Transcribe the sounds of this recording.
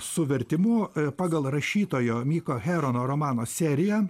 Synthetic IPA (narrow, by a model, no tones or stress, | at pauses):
sʊʋʲɛɾʲt̪ʲɪmʊpɑːɡɐlˠɾɐʃʲiːt̪oːjoːmʲiːkoːxʲæːɾonoːɾoːmɑːnoːsʲæːɾʲɪjɛ